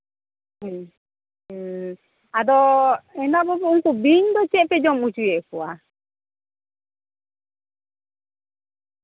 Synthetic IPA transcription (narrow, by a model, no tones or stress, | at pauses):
ad̪ɔɛnabɔbɛuŋkubiɲd̪ɔt͡ʃɛʔpɛd͡ʒɔmut͡ʃujɛʔkɔa